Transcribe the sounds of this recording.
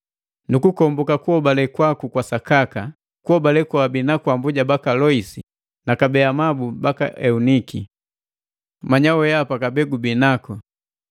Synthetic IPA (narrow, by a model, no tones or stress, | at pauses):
nukukɔmbukakuɔbalɛkwakukwasakaka | kuɔbalɛkwabinakwambuɟabakalɔisi | nakabɛamabubaka̰ʔɛuniki | maɲawɔjapakabɛɡubinakɔ